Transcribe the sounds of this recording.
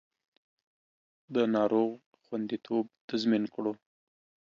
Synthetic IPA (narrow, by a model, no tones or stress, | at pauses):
d̪ənɑɾoɣ | xwand̪it̪ʰob̚t̪azminkɽo